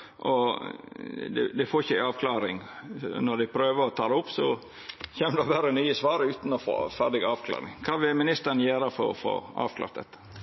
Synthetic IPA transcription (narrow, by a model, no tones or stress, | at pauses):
ʔɔ | d̪ɛ̰d̪ɛfoːɾɪçəæɑːʋkʰlɑːɾɪŋnɔɖæɪpʰɾøːʋəɾɔt̪ʰɑːd̪ɛʊpːsɔ | çeːməd̪ɛɔʋæːɾənyːəsʋɑːɾʉːt̪nɔfo̰ːfæɖɪɡɑːʋkʰlɑ̰ːɾɪ̰ŋkʰɑːʋɪlmɪnɪst̪əɾn̩jøːɾəfɔ̰ɾɔ̰fo̰ɑ̰ːʋkʰlɑ̰ːɾt̪d̪ɛ̰t̪ːə̥